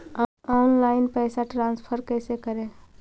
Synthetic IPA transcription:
ɔːnlaːɪnpɛːsaʈɾãːnspʰəɾkɛːsekəɾẽː

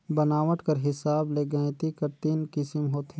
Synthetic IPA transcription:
bənaːʋəʈkɐɾɦɪsaːbleːɡə̃ẽt̪ikɐɾt̪iːnkɪsɪmɦoːt̪ʰe

